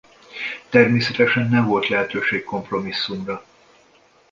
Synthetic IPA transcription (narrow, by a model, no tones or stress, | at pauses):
t̪ɛrmeːsɛt̪ɛʃɛnːɛɱvo̞lt̪lɛɦɛt̪øːʃeːkko̞mpro̞misːumrɒ